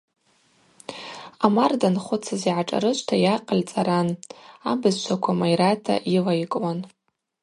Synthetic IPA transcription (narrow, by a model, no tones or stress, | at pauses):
amardanχʷʊt͡sʰaziʕaʈ͡ʂʼa̰ɾɨʃʷʰʼtʰajaqʼəlt͡sʼaɾanabɨzt͡ʃʷʰakʷʰamajɾatʰa̰ʔilaikʼwan